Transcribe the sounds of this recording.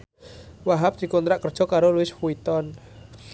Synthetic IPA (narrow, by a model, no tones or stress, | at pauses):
waɦap̚d̪̥i̤kɔnt̪ɾaʔkər̥ʒ̥ɔ̤kaɾoluɪsfuit̪ɔn